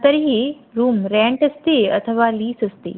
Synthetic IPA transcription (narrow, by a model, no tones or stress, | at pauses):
t̪əɾiɦi | ɾuːmɾɛ̃ɳʈəst̪eə̰t̪ʰəʋaliːsəst̪ḛ